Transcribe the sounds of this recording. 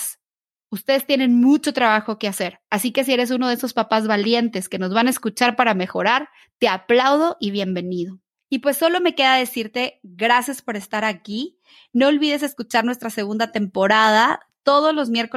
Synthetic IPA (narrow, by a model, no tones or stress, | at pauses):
s | ust̪e̞ð̞e̞st̪je̞nẽ̞nmut͡ʃo̞t̪ɾaβaxo̞ke̞ase̞ɾasike̞s̬ie̞ɾe̞s̬unoeso̞spapazβalje̞nt̪e̞ske̞no̞zβanaeskut͡ʃaɾpaɾame̞xo̞ɾaɾ | t̪e̞aplawð̞o̞ʔiβ̞je̞mbeniðo̞ | ipwe̞sːo̞lo̞me̞ke̞ðaðe̞siɾt̪e̞ɣɾasjaspo̞ɾe̞st̪aɾaki | no̞ːlβið̞e̞s̬e̞skut͡ʃaɾnwe̞st̪ɾase̞ɣ̞und̪at̪e̞mpo̞ɾaða | t̪o̞ð̞ozlo̞zmje̞ɾko